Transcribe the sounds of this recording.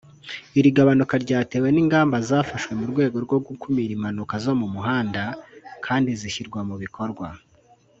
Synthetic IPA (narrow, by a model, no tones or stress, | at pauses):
iɾiɡaβanukaɾɟaːte̞ːwe̞niŋɡaːmbazaːfaʃwe̞muɾɡwe̞ːɡo̞ɾɡo̞ɡukumiɾimanukazo̞mumuɦaːndakʰaːndiziçiɾɡwamuβiko̞ɾɡwa